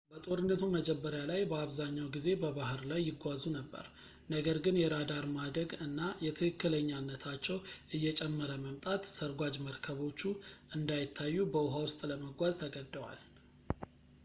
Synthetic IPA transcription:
bət̪ʼo̞ɾɨnːət̪ʰuməd͡ʒɛbːəɾjalajbəaβzaɲːawɡize̞bəβahɨɾlajːɪɡʷazunəbːə̰ɾ | nəɡəɾɡɨnjɛɾad̪aɾmad̪ɾəɡɨnːajɛt̪ʰɨkɨkːɨləɲːanːət̪ʰat͡ʃːɛwʔɨjːɛt͡ʃʼɛmːəɾəməmt̪ʼat̪səɾɡʷad͡ʒməɾkʰəβo̞t͡ʃːuʔɨnd̪ajɪt̪ʰːajːubəʊɦawʊst̪ʼləməɡʷazt̪ʰəɡəd̪ːəwa̰l

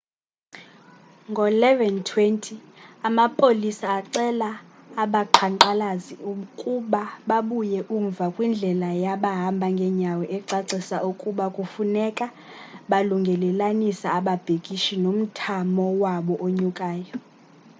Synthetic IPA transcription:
ŋɡʱɔlɛvɛntʰwentʰi | amapʼolisaːǀɛlaːɓaǃʰanǃalaziukʼuɓaɓaɓujɛʔuɱvakʼwind͡ɮʱɛlajaɓaɦambʱaŋɡʱɛɲawɛʔɛǀaǀisaʔukʼuɓakʼufunɛkʼa | ɓaluŋɡʱɛlɛlanisaːɓab̥ʱekʼiʃinom̩tʰamɔwaɓɔʔoɲukʼaːjɔ

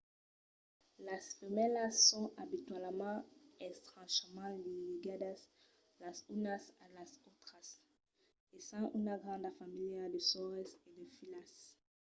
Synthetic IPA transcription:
lasfemɛlasːɔ̃abit̪ɥalmɑ̃ɛkst̪ʁɑ̃ʃmɑ̃liliɡad̪as | lasynasalasot̪χas | esãʔynaɡʁɑ̃nd̪afamiljad̪əsɔʁesed̪efilas

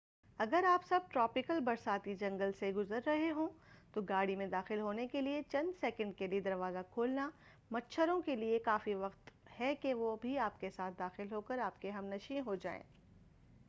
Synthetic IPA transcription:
ɐɡəɾaːpsɐb̚ʈɾɔːpɪkəlbɐɾsaːt̪id͡ʒɐ̃ŋɡəlseɡʊzəɾːɐɦeɦõt̪oɡaːɽimẽd̪aːxɪlɦoːnekeliet͡ʃɐ̃nd̪sɛːkə̃ɳɖkelied̪ɐɾʋaːzakʰoːlna | mɐtːʃʰəɾõkeliekaːfiʋɐqt̪hɛkeʋobʱiaːpkesaːt̪̚ʰd̪aːxɪlɦoːkəɾaːp̚keɦɐmnɐʃĩɦod͡ʒa̰ːḛ̃ː

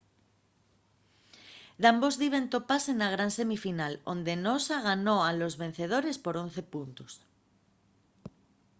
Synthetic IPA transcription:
d̪ambo̞zðiβ̞e̞nt̪o̞pase̞naɣ̞ɾanse̞mifinalo̞̰nd̪e̞nosaɣ̞ano̞alo̞zβẽ̞n̟θe̞ð̞o̞ɾe̞spo̞ɾo̞n̟θe̞punt̪os

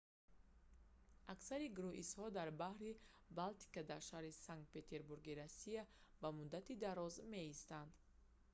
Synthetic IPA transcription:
aksaɾiɡuɾuʔishɔd̪aɾbahɾi | balt̪i̥kad̪aɾʃahɾisaŋk̚t̪̚pe̞t̪ʰe̞ɾbuɾɡiɾasːiavamud̪at̪id̪aɾɔzme̞ist̪and̪̥

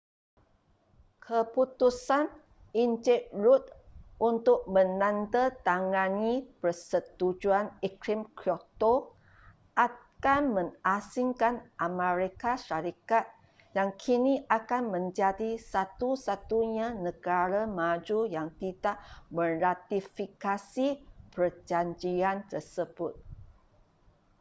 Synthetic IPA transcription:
kʰəput̪usan | iɲt͡ʃɛʔ̚ɾut̪̚unt̪ʊk̚mə̃nãnt̪ət̪aŋãnipərsət̪ud͡ʒuanikɾimkɾiot̪o | ʔakanmə̃ŋasiŋkanʔameɾikaʃaɾikat̪̚ | jaŋkʰiniʔakanmə̃ɲd͡ʒadisat̪usat̪uɲãnəɡaɾamad͡ʒujaŋt̪idaʔmə̃rat̪ifikasipərd͡ʒaɲd͡ʒiant̪ərsəbʊt̪̚

